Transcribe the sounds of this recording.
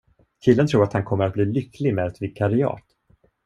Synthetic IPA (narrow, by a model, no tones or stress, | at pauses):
kʰɪlːənt̪ʰɾuːɾat̪hankʰɔmːəɾat̪̚bliːlʏklɪɡmeːd̪ɛt̪vɪkʰːaɾɪɑ̰ːt̪